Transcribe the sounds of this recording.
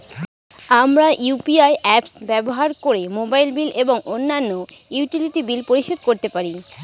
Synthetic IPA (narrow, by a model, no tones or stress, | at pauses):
amɾaʔjupiajɛpsbɛboɦaɾkoɾemobajlbilʔeboŋonːanːojuʈiliʈibilpoɾiʃod̪̚koɾt̪epaɾi